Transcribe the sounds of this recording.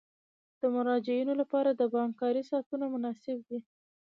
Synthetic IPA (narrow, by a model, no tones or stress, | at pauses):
d̪̥əmʊɾɑd͡ʒɪunolapɑɾad̪əbɑŋkɑɾisɑt̪unamʊnɑsɪb̚d̪i